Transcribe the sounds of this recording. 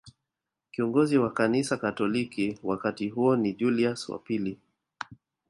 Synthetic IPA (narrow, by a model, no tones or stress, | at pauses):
kiɔŋɡɔziwakanisakatɔlikiwakatiɦuɔniʄuliaswa̰pili